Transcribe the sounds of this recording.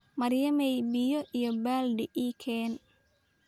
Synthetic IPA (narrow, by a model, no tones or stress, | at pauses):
mɐrjɐmɛjbɪjɔʔijɔbaːlɖɛʔiːkʰɛːn